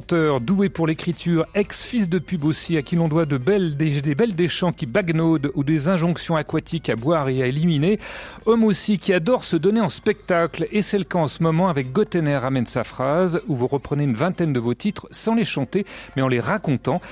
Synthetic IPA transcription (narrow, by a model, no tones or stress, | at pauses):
t̪œʁd̪uepuʁlekχit̪ʰyːʁɛksfis̬d̪əpybosiakʲilɔ̃d̪wad̪əbɛld̪ed̪ebɛld̪eʃɑ̃kʲibaɡnod̪ud̪ezɛ̃ʒɔ̃ksjɔ̃akwat̪ʰikabwaʁeaelimineɔmosikʲiad̪ɔʁsəd̪ɔneɑ̃spɛk̚t̪aklesɛlkɑ̃səmɔmɑ̃avɛk̚ɡɔt̪ɛnɛʁːamɛnsafχazuvuʁəpχəneynvɛ̃t̪ɛnd̪əvot̪it̪χsɑ̃leʃɑ̃t̪emɛɑ̃leʁakɔ̃t̪ɑ̃